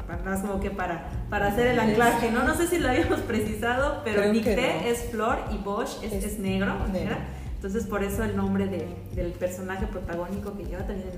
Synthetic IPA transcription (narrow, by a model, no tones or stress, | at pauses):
paas̬komo̞ke̞paɾa | paɾaːse̞ɾelaklaskeno̞no̞se̞siloaβiamospɾesisað̞o̞pe̞ɾomikt̪eesflo̞ɾiβoʃest͡ʃesne̞ɣɾoneɣɾa | ent̪o̞ns̬e̞spo̞ɾe̞so̞elnõ̞mbɾe̞ðe | ðe̞lpe̞ɾso̞naxe̞pɾo̞t̪aɣ̞o̞niko̞keʝeβat̪ambjene